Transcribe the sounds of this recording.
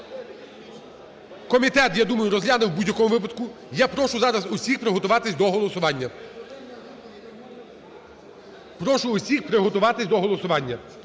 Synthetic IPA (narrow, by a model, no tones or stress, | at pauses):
kɔmʲit̪ɛt̪jad̪umɐjʊɾɔzɦlʲanɪwbudʲjɐkɔmʊʋɪp̬ɐd̪kʊ | japɾɔʃʊzɑɾɐzʊsʲixpɾɪɦɔt̪ʊʋɑt̪ɪsʲd̪ɔɦɔlˠɔsʊʋɑnʲːɐ | pɾɔʃʊːsʲixpɾɪɦɔt̪ʊʋɑt̪ɪsʲd̪ɔɦɔlˠɔsʊʋɑnʲːɐ